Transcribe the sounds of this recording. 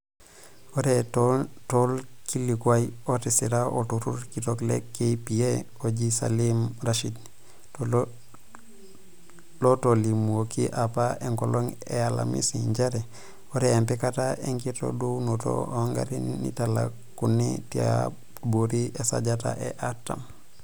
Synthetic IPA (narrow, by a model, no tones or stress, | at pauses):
oɾettolkilikwajotisiɾaʔotuɾuɾkitoklḛkːepie | oɟisa̰limɾaʃidni | lotolimuokiʔapaeŋkoloŋ | eala̰mḭsiɲd͡ʒeɾe | woɾeempikataʔeŋkito̰dunuto̰aŋɡa̰ɾinḭtala̰ | kunitia̰ | boɾiʔesa̰ɟata̰ʔḛʔatːam